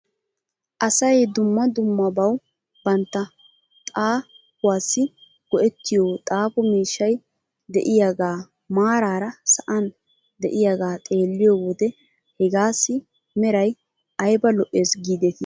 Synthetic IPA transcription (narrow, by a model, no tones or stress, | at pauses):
ʔɐsɐjd̪ʊmːɐd̪ʊmːɐbɐw | bɐnt̪ːɐ | t̪ʼaː | pʊwaːsːɪ | ɡ̥ɔʔɛt̪ːɪjot̪ʼaːpɔmiːʃːɐj | d̪ɛʔɪjaɡaː | maːɾaːɾɐsɐʔɐn | d̪ɛʔɪjaɡaːt̪ʼe̞ːlːɪjɔːwɔd̪ɛ | hɛɡaːsːɪ | mɛɾɐj | ɐjbɐlɔʔe̞ːsɡiːd̪ɛt̪ɪ